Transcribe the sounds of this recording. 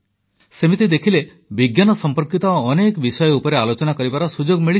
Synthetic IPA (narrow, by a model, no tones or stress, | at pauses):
semit̪id̪ekʰile | biɡjanɔsɔmpɔɾkit̪ɔːnekɔbisɔjɔupɔɾealot͡ʃɔnakɔɾibaɾɔsud͡ʒoɡmiɭi